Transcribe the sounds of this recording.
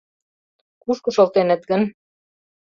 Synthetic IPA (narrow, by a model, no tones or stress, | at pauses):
kuʃkɤ̆ʃolt̪enɘ̆t̪ɡə̆n